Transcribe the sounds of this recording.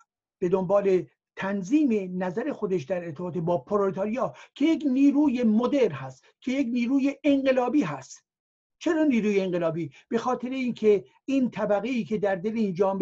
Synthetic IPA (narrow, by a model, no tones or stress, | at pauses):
b̥e̞d̪ombɒːle̞ | t̪ʰænziːme̞næzæɾe̞xo̞d̪eʃd̪æɾeɾt̪ʰebɒːt̪ʰebɒːpʰoɾolit̪ʰɑːɾijɒːkʰe̞jekniːɾuːjemod̪eɾnhæst̪ | kʰe̞jekniːɾuːje̞ʔːŋɢe̞lɒːbiːɦæst̪ | t͡ʃʰe̞ɾɒːniːɾuːjeːŋɢelɒːbiːb̥e̞xɒːt̪ʰe̞ɾeiːnkʰe̞ | int̪ʰæbæɣe̞iːkʰe̞d̪æɾd̪eleind͡ʒɒːmb